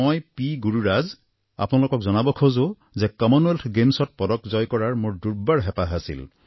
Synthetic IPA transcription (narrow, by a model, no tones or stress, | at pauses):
ɔjpiɡuɹuɹaz | a̰pnalʊkɔkzɔnabɔkʰozo | zɛkɔmɔneltʰɡemsɔt̚pɔdɔkzɔjkɔɹaɹmʊɹduɹbaɹɦɛpaɦasḭl